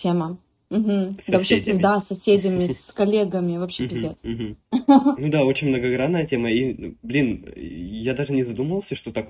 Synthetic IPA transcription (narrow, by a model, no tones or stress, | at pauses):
tʲemə | m̩ɦm̩d̪avɐpɕefsʲɪɡd̪asɐsʲedʲɪmʲɪskɐlʲeɡəmʲɪvɐpɕːepʲɪzʲd̪ʲet̪̩m̩nud̪ao̞t͡ɕɪnʲmnəɡɐɡɾad̪ːəjətʲeməiblʲinjad̪aʐɨnʲɪzɐd̪uməvlˠsʲəʂt̪o̞t̪ak